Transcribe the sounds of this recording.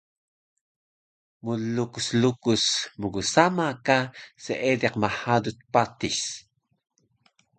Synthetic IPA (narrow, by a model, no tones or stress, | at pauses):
mulukuslukusməɡusamakasəʔedɛqmaħadut̪̚pat̪is